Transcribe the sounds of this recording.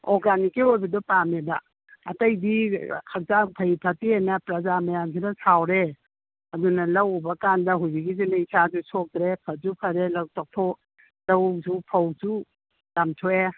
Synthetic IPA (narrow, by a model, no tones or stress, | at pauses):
oɾɡanikiojbɐdɔpamebɐ | ɐtɐjdikʰak̚zapʰɐipʰɐtienɐpɾɐzamajamkʰinɐsawɾe | ɐdunɐlɐwbɐkandɐɦujbiɡizinaisazusok̚dɾepʰɐzupʰɐɾelɐwtʰok̚tʰo | lɐwzupʰɐwzu | lamtʰoe